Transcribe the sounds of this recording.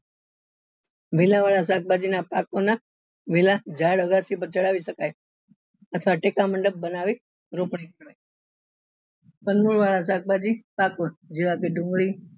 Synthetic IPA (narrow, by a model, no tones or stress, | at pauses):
ʋilaʋaɭasak̚bad͡ʒinapakona | ʋilad͡ʒaɽəɡasip̬əɾt͡ʃəɭaʋiʃəkaj | ət̪ʰʋaʈekaməɳɖəb̚bənaʋi | ɾopɳikaj | pənmuɭʋaɭasak̚bad͡ʒipakod͡ʒiʋakeɖũŋɡɭi